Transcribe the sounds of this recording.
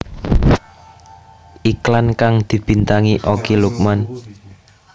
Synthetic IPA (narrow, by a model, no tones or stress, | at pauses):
ʔiklankaŋd̪̥i̤b̥i̤nt̪aŋiʔokiluk̚man